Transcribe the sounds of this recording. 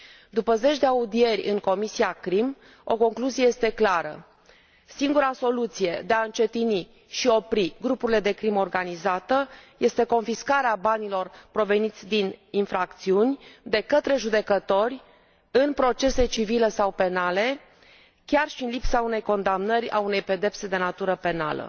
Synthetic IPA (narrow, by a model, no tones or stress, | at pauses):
d̪upəze̞t͡ʃʲd̪e̞aud̪ie̞rʲɨ̰ŋko̞misiakɾim | o̞̰ko̞ŋkluzijeje̞st̪e̞klaɾə̰ | siŋɡuɾaso̞lut̪sije̞d̪e̞aɨnt͡ʃe̞t̪ini | ʃio̞pɾiɡɾupuɾile̞d̪e̞kɾimo̞rɡanizat̪əje̞st̪e̞ko̞nfiskaɾeabanilo̞rpɾo̞ve̞nit̪sʲd̪ininfɾak̚t̪siunʲd̪e̞kət̪ɾe̞ʒud̪e̞kət̪o̞rʲ | ɨnpɾo̞t͡ʃe̞se̞t͡ʃivile̞sawpe̞nale̞ | kʲarʃinlipsaune̞jko̞nd̪amnəɾʲa̰une̞jpe̞d̪e̞pse̞d̪e̞nat̪uɾəpe̞na̰lə̰